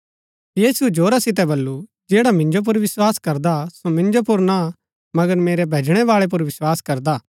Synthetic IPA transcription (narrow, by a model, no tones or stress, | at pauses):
jiːsuɛd͡ʒoːɾasɪt̪̬ɛbɐlːu | d͡ʒeːɽamɪ̃nd͡ʒop̬ʊɾʋɪswaːskɐɾd̪asomɪ̃nd͡ʒopʊɾna | mɐɡəɾmeːɾɛbʱeːd͡ʒɽ̃ɛʋaːɭɛp̬ʊɾʋɪswaːskɐɾd̪aː